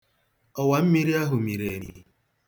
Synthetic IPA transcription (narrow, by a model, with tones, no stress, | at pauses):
ɔ˨wa˨m̩˦mi˦ɾi˦a˦ɦʊ˨mi˨ɾe˨ɲḭ˨